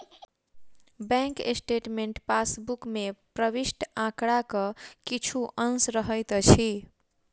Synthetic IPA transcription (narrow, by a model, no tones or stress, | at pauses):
bɛ̃ŋkesʈeʈmeɳʈpasbukmepɾəbisʈãkɽakʌkit͡ʃʰuʔənsɾəɦəjt̪t͡ʃʰi